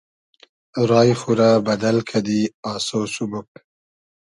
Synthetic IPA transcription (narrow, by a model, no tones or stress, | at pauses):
ɾɑːjxuɾabad̪alkʰad̪iɑːsosubup̚